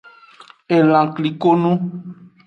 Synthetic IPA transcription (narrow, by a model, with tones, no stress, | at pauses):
e˨l̃ã˨kli˨ko˦nũ˦